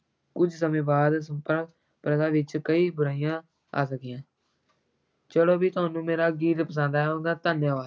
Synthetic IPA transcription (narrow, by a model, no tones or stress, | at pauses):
kʊd͡ʒʱsəmẽːbaːd̪səmpəɾ | pɾəd̪aːʋɪt͡ʃkəiːbʊɾaːijãː | a̰ːsəkjãː | t͡ʃəɽoːbiːt̪ʊaːnũːmeːɾaːɡiːɾpəs̬ãːnd̪aːɛɦond̪aːt̪aːnjãːʋaː